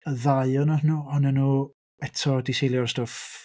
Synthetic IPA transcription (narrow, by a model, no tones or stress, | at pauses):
əðaɨɔnahənuːɔnənuː | ɛtʰɔdisejlˠjɔrstɔf